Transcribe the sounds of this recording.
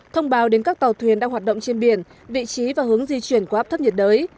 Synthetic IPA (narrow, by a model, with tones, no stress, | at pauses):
t̪ʰə˧wŋ͡mɓaː˨˦wɗe˨˦nkaː˦˥k̚t̪a˨˩wt̪ʰwi˨˩ənɗaː˧ŋhwaː˨˩t̚ɗə̰˧˨wŋ͡mt͡ɕe˧nɓi˧˩ən | vḭ˧˨t͡ɕi˨˦vaː˨˩hɨ˨˦əŋzi˧t͡ɕwi˧˩ənku˧˩˨ʔaː˦˥t̪ə˦˥p̚ɲə˨˩t̚ɗəː˨˦j